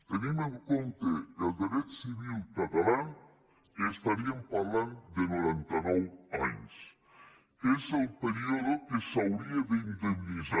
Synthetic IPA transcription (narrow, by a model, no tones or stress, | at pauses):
t̪enimeŋkont̪ekald̪eɾet̪siβilkat̪ala | est̪aɾiampaɾland̪enoɾɛnt̪ɐnɔwaɲs | ezelˠpeɾioðokesawɾiaðeind̪emniza